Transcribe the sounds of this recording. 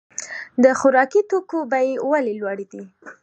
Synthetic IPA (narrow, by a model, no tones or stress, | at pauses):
d̪əxʊɾɑkit̪okobajewalelwɑɽed̪i